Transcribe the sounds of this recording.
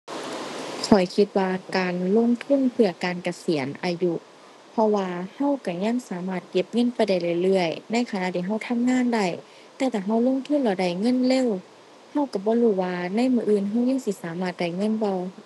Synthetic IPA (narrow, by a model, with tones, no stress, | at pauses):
kʰɔ˨˩jkʰi˧t̪̚waː˧kaː˨nlo˧˥˨ŋt̪ʰu˧˥˨npʰɯ˧˩ɐkaː˨nka˧si˨˦ənʔaː˨ju˧ | pʰɔ˧waː˧ha˧˥˨wka˧˩ɲa˧˥˨ŋsaː˨˦maː˧˩t̪̚ke˧˥p̚ŋɤ˧˥˨npa˧˨jda˧˩jlɯː˧˩jlɯ˧˩əjna˧˥˨jkʰa˧na˧˨t̪ʰiː˧˨ɦa˧˩wt̪ʰa˧˥˨mŋaː˧˥˨nda˧˩j | t̪ɛː˧t̪ʰaː˧˩ɦa˧˥˩wlo˧˨ŋt̪ʰu˧˥˨nbɔː˧˩da˧˩jŋɤ˧˥˨nleː˧˥˨w | ha˧˥˨wka˧˩bɔː˧˦luː˧˩waː˧na˧˥˨jmɯː˧ʔɯː˧˨nɦa˧˥˨wɲa˧˥˨ŋsi˧˦saː˨˦maː˧˩t̪̚da˧˩jŋɤ˧˥˨nbɔ˧˨w